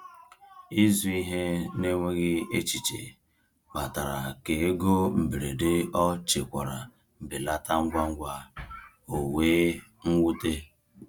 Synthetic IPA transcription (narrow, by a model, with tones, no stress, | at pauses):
i˦zu˦i˦ɦe˦ne˦ŋʷe˦ɣɪ˦e˦t͡ʃi˨t͡ʃḛ˨ | ma˨ta˨ɾa˨ke˨e˦ɡo˦m̩˨be˨ɾe˨de˦ɔ˦t͡ʃe˨kʷa˨ɾa˨ | m̩˨bi˨la˦ta˦ŋ̩˦ɡʷa˦ŋ̩˦ɡʷa˦ | o˨weː˦ŋ̩˦wu˦te˦